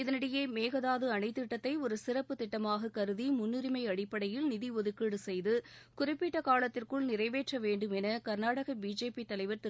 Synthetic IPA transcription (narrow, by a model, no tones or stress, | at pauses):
ɪðɐnɪɽɐjeːmeːɣɐðaːðɯɐnɐɪt̪ːɪʈːɐt̪ːɐɪɔɾɯsɪrɐpːɯt̪ːɪʈːɐmaːɣɐkɐɾɯðimʊnːɪɾɪmɐɪɐɽɪpːɐɽɐjɪlnɪðiɔðɯkːiːɽɯsɛjðɯkʊrɪpːɪʈːɐkaːlɐt̪ːɪrkɯɭnɪrɐɪʋeːʈrɐʋeːɳɖɯmɛnɐkɐɾnaːɽɐɣɐbiːd͡ʒeːpit̪ːɐlɐɪʋɐɾt̪ɪ